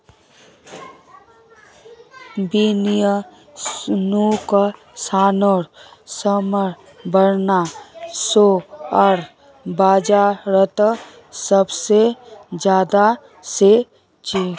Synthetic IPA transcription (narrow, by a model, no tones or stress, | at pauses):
binijə | nuk | saːnoːɾsəməɾ | bəɾnasoəɾ | baːd͡ʒaɾət̪ | səbsed͡ʒjaːd̪a | se | t͡ʃi